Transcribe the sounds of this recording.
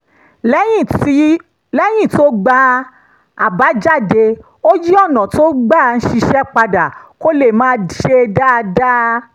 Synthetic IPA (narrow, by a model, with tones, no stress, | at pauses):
ljĩ˦˨i˦ | lɛ˦j̃ĩ˦˨to˦ɡ͡ba˧ | a˨ba˨˦d͡ʒa˦˨de˧ | o˦d͡ʒi˦ɔ˦˨nɔ̃˨to˦ɡ͡ba˦˨n̩˦ʃi˧ʃɛ˦k͡pa˧da˨ko˦le˦˨mãː˦di˨ʃe˧da˦˧da˦